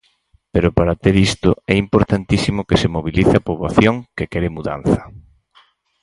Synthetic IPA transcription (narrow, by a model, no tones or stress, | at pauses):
peɾʊpaɾat̪eɾist̪ʊɛimpoɾt̪ant̪isimʊkesemoβiliθeapoβlaθjoŋkekɛɾɪmuða̰n̟θɐ̥